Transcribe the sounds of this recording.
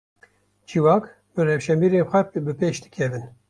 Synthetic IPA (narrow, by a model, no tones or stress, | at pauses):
d͡ʒiwaːk | bɨrɛfʃɛmbiːɾeːnxʷɛbɨpeːʃd̪ɨ̥kʰɛvɨn